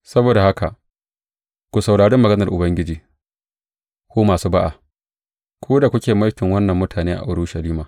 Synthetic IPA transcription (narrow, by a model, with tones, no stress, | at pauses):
sɐ˦boː˨da˨ha˦ka˨ʔ | kʷu˨sa˨wɽaː˨ɽɪ˦mːɐ˨ɡɐ˦nɐ˨rʔʊ˨bɐ˦ŋɡʲɪ˦d͡ʒiː˨ | kʷoː˦maː˨suː˦ba˦ʔa̰˨ | kʷoː˦da˨kʷʊ˦kʲeː˨ma˦jtɪ˨ŋwɐ˦nːɐ˨mːʊ˦tʰaː˨neː˦ʔa̰˨ʔʊ˨ɽʊ˦ʃɐ˨liː˦maː˨